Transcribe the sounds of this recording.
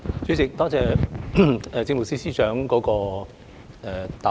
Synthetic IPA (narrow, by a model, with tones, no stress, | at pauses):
t͡ʃɵ˨˥ɥt͡sɪ˨k̚t̪ɔː˥t͡sɛː˨ | ɛ˨˧t͡sɪ˧ŋm˨˩siː˥siː˥t͡ʃœː˨˥ŋkɔː˨˥kɔː˧ | ɛ˧t̪a˨